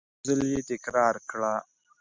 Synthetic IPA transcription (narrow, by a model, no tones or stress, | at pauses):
zəljet̪ɪkɾɑːɾkɽaː